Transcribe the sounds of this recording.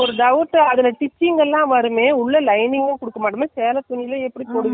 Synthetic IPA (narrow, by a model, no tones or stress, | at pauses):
ɔɾɯɖɐʋɯʈːɐðɪlɐʈɪt͡ʃːɪŋɡɛlːãːʋɐɾɯmeːʊɭːɐlɐɪnɪŋɡɐ̃ːkʊɽɯkːɐmaːʈːɐmeːseːlɐt̪ʊɳːɪlɐɛpːɐɽipoːɽɯʋ